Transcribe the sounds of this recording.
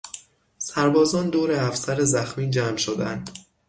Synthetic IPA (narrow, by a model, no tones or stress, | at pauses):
sæɾbɒːzɒːnd̪oːɾeæfsæɾezæxmiːd͡ʒæːmʃod̪æ̰nd̪̥